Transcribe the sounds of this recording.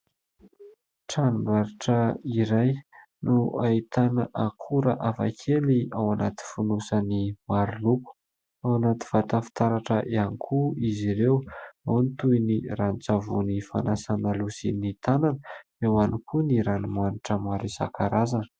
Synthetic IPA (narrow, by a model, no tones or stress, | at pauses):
ʈ͡ʂanimbaɾiʈ͡ʂəiɾaj | nuait̪anəʔakʰuɾəʔafa̰kʰeliawanat̪i̥funusanimaɾuluku̥ | awanat̪i̥fat̪afi̥t̪aɾaʈ͡ʂəʔianikʰuiziɾewawnit̪ujnirant͡savunifa̰nasanalusinit̪ananə | ewanikʰuniɾanimaniʈ͡ʂəmaɾisa̰kʰaɾazan